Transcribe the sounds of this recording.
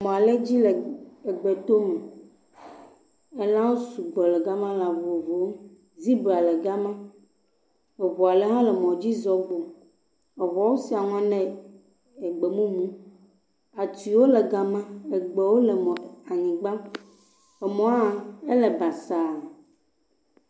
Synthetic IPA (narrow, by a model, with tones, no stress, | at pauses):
mɔ̃˨a˨le˦d͡ʑi˦lɛ˨e˨ɡ͡be˨t̪o˦mɛ˨ | ɛ˦lã˦wo˦su˨ɡɔ˨lɛ˨ɡa˦mã˦la˨vo˨vo˨˦m˦ | zi˦be˨a˨lɛ˨ɡa˦mã˦ | ɛ˨βo˨a˨lɛ˦ɦã˦lɛ˨mɔ̃˨d͡ʑi˦zɔ˨ɡ͡bo˨ | ɛ˨βɔ˨wo˦si˨a˨ŋɔ̃˦nɛ̃˦ | ɛ˨ɡ͡be˨mũ˦mũ˦ | a˨ti˨wo˦lɛ˨ɡa˨mã˦ɛ˨ɡ͡bɛ˨wo˦lɛ˨mɔ˨a˨ɲĩ˨ɡ͡ba˦ | ɛ˨mɔ̃˨˦a˨e˦lɛ˨ba˨sa˨